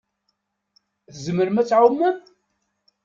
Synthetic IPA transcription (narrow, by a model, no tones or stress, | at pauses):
θzəməɾmæt͡sːʕumːæn